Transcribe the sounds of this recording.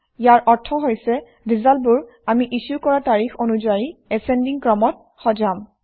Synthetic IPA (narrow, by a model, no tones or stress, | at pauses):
jaɹʔɔɹtʰɔɦojsɛ | dizalbʊɹ | amiʔisukɔɹataɹixonuzajiɛsɛndiŋkɹɔmɔt̚ | xɔzam